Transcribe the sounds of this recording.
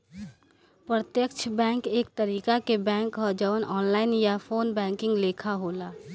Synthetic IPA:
pɾət̪jəkt͡ʃʰbɛ̃ːŋkeːk̚t̪əɾiːkakebɛ̃ːŋkɦəd͡ʒəʋnʔɔːnlaːɪnjafʰoːnbɛ̃ːŋkɪ̃ŋɡleːkʰaɦoːlaː

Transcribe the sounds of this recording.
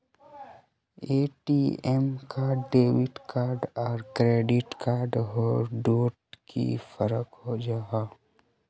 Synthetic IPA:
eːʈiːɛmkaɖeːʋɪʈkaːɾɖɔːɾkɾeːɖɪʈkaːɾɖɦɔːɾɖoːʈkḭfəɾəkɦod͡ʒaɦaː

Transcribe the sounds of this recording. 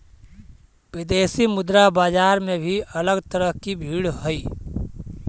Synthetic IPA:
ʋɪd̪eːsimʊd̪ɾabaːd͡ʒaːɾmẽbʱiɐləɡt̪əɾəɦkibʱiːɽɦʊiː

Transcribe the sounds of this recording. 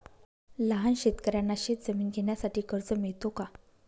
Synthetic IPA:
ləɦanɕet̪kəɾjanːaɕet̪̚d͡zəmiːnɡʱeɳjasaʈiːkəɾd͡zəmiɭt̪oka

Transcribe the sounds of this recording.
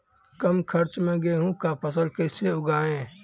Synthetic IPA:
kɐmkʰɐɾt͡ʃmẽɡeɦũkapʰəs̬əlkeɪseʊɡaːẽː

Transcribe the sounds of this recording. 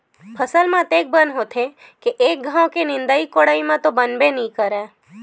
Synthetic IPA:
pʰəsəlmãt̪ek̚bənɦot̪ʰe | keʔːk̚ɡʱãwkenɪ̃nd̪əikoɽaimãt̪obənbenĩkəɾe

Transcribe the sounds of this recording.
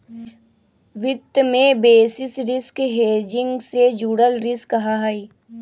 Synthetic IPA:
ʋɪt̪ːmẽbeːsɪsɾɪskɦeːd͡ʒɪ̃ŋɡsed͡ʒuːɽəlɾɪskəɦaɦaiː

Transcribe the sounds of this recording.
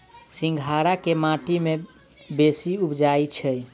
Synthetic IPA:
sĩŋɡʱaɾakemãʈime | besiupd͡ʒajt͡ʃʰɛj

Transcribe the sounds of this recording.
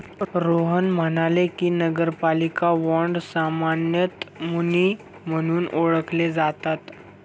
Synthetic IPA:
ɾoɦənmənalekiːnəɡəɾpalikaʋɔɳɖsamanjət̪muni | m̤əɽ̃uːnoɭəkʰled͡zat̪at̪

